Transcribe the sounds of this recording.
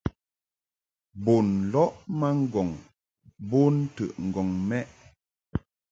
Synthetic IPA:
bo˨nlɔ˦ʔma˦ŋ̩˦ɡɔ˨ŋ | bo˦n˦tə̰˨ʔŋ̩˨ɡɔ˨ŋmɛ˦ʔ

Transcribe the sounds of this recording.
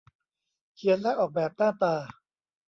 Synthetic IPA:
kʰi˧˦ənlɛ˦˥ʔɔː˨˩k̚bɛː˨˩p̚naː˥˩t̪aː˧

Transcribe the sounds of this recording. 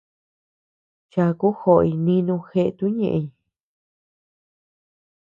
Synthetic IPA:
t͡ʃa˧ku˦xo˧˨ʔi˧nĩ˦nũ˧xe˧ʔt̪u˦ɲḛ̃˧ʔe˧i˧

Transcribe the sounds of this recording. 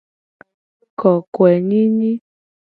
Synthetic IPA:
kɔ˨kwɛ˨ɲi˦ɲi˦

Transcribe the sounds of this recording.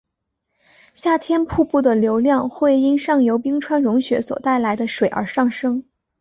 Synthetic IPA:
ɕja˥˩t̪ʰjɛ˥npʰu˥˧pu˥˩d̪ə˩ljo˧˥ʊljɑ˥˧ŋxwe˥˩ɪi˥nʂɑ˥˩ŋjo˧˥ʊpi˥ŋʈ͡ʂʰwa˥nɻʊ˧˥ŋɕɥɛ̰˧˥swɔ̰˨˩t̪a˥˩ɪla˧˥ɪd̪ə˧ʂwe˨˩ɪʔə̰˞˧˥ʂɑ˥˩ŋʂɤ˥ŋ

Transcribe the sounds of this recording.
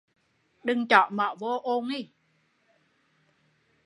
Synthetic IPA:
ɗɨ˧ŋt͡ɕɔ̰˧˨mɔ̰˧˨vo˧ʔo˧ŋi˧˩˨

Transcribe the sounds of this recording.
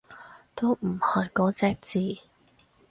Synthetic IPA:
t̪o˥wm̩˨˩hɐ˨˩jkɔː˨˥t͡sɛː˧˩k̚t͡siː˨

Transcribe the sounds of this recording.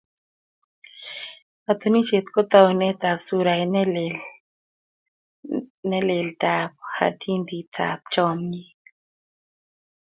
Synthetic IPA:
a˨t̪o˦ni˦t͡ʃe˨t̪kɔ˦t̪a˦˨u˨nɛ˦t̪a˨bsu˦ɾa˨˦nl | nɛ˦lɛ˨ld̪a˨p̚ha̰˨dʰi˦nd̪i˨tʰa̰˨p̚t͡ʃɔ˦mɲi˦

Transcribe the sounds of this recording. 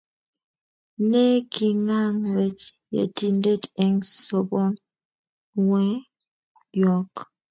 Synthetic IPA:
ne˦ki˨ŋa˦ŋɾe˨t͡ʃjḛ˨ti˨nde˦˨tɛ˦ŋso˨bɔ˦n | wɛ˦ | jɔ˨k

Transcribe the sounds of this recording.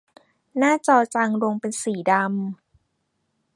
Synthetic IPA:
naː˥˩t͡ɕɔː˧t͡ɕa˧ŋɾo˧ŋpe˧nsiː˨˩˦da˧m

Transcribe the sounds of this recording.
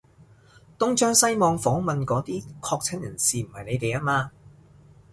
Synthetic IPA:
t̪ʊ˥ŋt͡ʃœː˥ŋsɐ˥jmɔː˧ŋfɔː˨˥ŋmɐ˨nkɔː˨˥t̪iː˥kʰɔː˧k̚t͡sʰɪ˨˥ŋjɐ˨˩nsiː˨m̩˨˩hɐ˨jne˨˧jt̪e˨jaː˥maː˧

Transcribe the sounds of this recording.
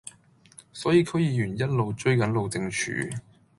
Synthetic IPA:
sɔː˨˥jiː˨˧kʰɵ˥ɥjiː˨˧jyː˨˩njɐ˥t̚lo˨wt͡ʃɵ˥ɥkɐ˨˥nlo˨wt͡sɪ˧ŋt͡ʃʰy̰ː˨˥

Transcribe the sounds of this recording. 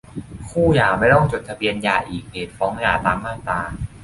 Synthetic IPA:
kʰuː˥˩jaː˨˩ma˥˩jt̪ɔ˥˩ŋt͡ɕo˨˩t̪̚ʰa˧bi˧ənjaː˨˩ʔiː˨˩k̚neː˨˩t̪̚fɔː˨˦˥ŋjaː˨˩t̪aː˧mːaː˥˩t̪aː˧

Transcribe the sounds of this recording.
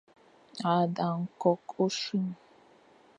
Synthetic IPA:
a˨da˨ŋ̩˨kɔ˦ko˦ʃu˦m˨

